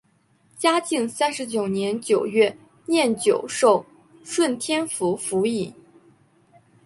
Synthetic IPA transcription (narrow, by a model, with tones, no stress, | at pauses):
t͡ɕja˥t͡ɕi˥˩ŋsa˥nʂɻ̩˧˥t͡ɕjo˨˩ʊnjɛ˧˥nt͡ɕjo˨˩ʊɥɛ˥˩ | njɛ˥˩nt͡ɕjo˨˩ʊʂo˥˩ʊ | ʂwə˥˩nt̪ʰjɛ˥nfu˧˥fu˧˥i˨˩˦